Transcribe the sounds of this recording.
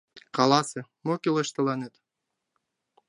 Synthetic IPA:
qɑlˠɑsɨmokʲilˠɤ̆ʃt̪ɤ̆lˠɑnet̪

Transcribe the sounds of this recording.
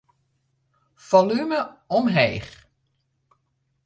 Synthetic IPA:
fɔlyməɔmɦejχ

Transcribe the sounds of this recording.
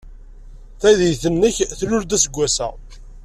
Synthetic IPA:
θæðijθənːəçθlʊɾd̪æsəɡʷːæsæ̰

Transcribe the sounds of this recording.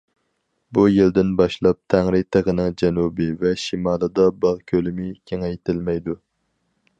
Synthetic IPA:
bujild̪ɪnbɑʃlˠɑp̚t̪ʰæŋɾɪt̪ʰəʁənɪŋd͡ʒɛnubɪvɛʃimɑːlˠɨd̪ɑbɑʁkʲʰølɪmɪkʲʰeŋɛjt̪ʰɪlmɛjd̪u

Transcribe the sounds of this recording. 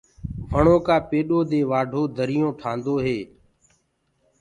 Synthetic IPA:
ʋʱəɳõːkaːpeːɗoːd̪eːʋaːɖʱoːd̪ʱəɾɪjõːʈʰãːnd̪oːɦeː

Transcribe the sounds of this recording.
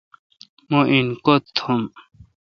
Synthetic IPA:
moʔinkot̪ʰom

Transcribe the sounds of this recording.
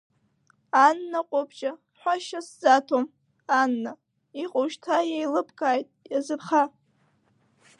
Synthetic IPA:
anːaqʷʼʊbʰt͡ʃʼa | ħʷaʃaszatʰom | anːa | iqʼoʃtʰajajlɨpʰkʼaːjtʼjazɨrχa

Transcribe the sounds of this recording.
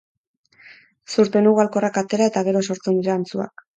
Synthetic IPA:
suɾt̪e̞nuɣualko̞rakat̪e̞ɾae̞t̪aɣe̞ɾo̞so̞ɾt͡se̞nd̪iɾeːnt͡sua̰k̚

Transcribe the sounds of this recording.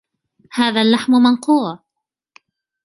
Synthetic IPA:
haːðalːaħmʊmanquːʕ

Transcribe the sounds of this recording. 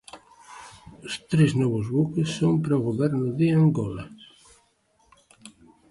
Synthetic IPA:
ʊst̪ɾeznɔβʊzβukesːompɾɔɣoβɛɾnʊðɪaŋɡɔla

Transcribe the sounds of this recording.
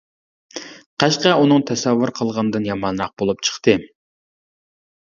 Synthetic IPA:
qʰæʃqɑunɨŋt̪ʰɛsɛvːuɾqʰəlˠʁɑnɨd̪ɨnjɑmɑnɾɑq̚bolˠup̚t͡ʃʰə̥χt̪ɨ

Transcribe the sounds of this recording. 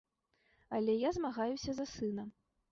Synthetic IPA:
ɐlʲɛjazmaɣajusʲɐzɐsɨnɐ

